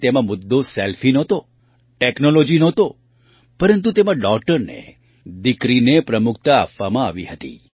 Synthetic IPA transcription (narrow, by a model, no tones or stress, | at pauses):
t̪emãmʊd̪ːoselfinət̪o | ʈeknolod͡ʒinɔt̪o | pəɾənt̪ut̪emãɖɔk̚ʈəɾnḛ | d̪ɪkɾinepɾəmʊk̚ʰt̪a̰ːpʋamãa̰ʋiɦət̪ḭ